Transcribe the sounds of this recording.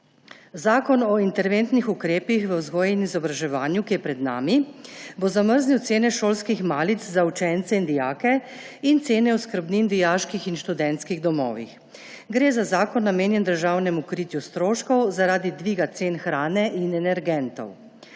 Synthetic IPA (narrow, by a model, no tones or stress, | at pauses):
zaːkɔnɔint̪ɛɾʋent̪nixukɾeːpixʋəwzɡɔːjinizɔbɾaʒɛʋaːnjukijɛpɾɛd̪na̰ːmibozaməɾzniwt̪seːnɛʃoːlskixmaːlit̪zzaut͡ʃɛnt̪sɛind̪ijaːkɛ | int̪seːnɛuskəɾbnind̪ijaːʃkixinʃt̪ud̪ɛnt̪skiɣd̪ɔmɔ̰ːʋḭx | ɡɾeːzazaːkɔnːameːnjɛnd̪əɾʒaːwnɛmukɾit̪just̪ɾoːʃkɔwzaɾaːd̪id̪ʋiːɡat̪seːnxɾaːnɛʔinɛnɛɾɡɛnt̪ɔ̰w